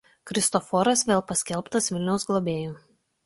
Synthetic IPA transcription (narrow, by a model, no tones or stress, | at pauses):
kɾʲɪst̪ɔfɔɾɐsʋʲeːlˠpɐsʲkʲɛlˠˑpt̪ɐsʋʲɪlʲnʲɛʊsɡlˠɔbʲeːjuː